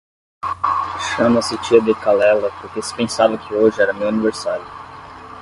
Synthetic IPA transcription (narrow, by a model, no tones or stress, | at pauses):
ʃɐ̃mɐsɪt͡ʃiɐd̪ɪkalɛlɐpoɾkesɪ̥pẽsavɐkʰɪoʒɪɛɾɐmewɐniveɾsaɾjʊ